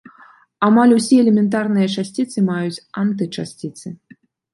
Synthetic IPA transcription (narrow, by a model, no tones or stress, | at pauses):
amalʲusʲiɛlʲɛmʲɛnt̪̬arnɨjɐt͡ʂasʲt͡sʲit̪sɨmajut͡sʲant̪ɨt͡ʂa̰sʲt͡sʲit̪sɨ